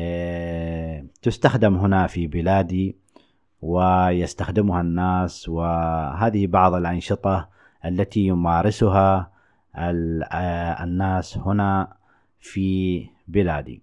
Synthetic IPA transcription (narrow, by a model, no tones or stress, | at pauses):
t̪ʊst̪axd̪ɪmɦɪnafibɪlaːd̪i | wɪjɪst̪axd̪ɪmhanːaːswɪɦaːðɪhibɑʕðˤɪlʔɑnʃɨt̪ˤɑ | ʔalːat̪ijʊmaːɾɪsʊɦa | nːaːshʊna | fi | bɪlaːd̪ḭ